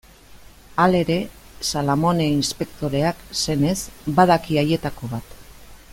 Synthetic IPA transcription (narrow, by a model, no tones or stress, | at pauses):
ale̞ɾe̞ | salamo̞neinspe̞k̚t̪o̞ɾe̞akse̞ne̞sbaðakiaje̞t̪ako̞βat̪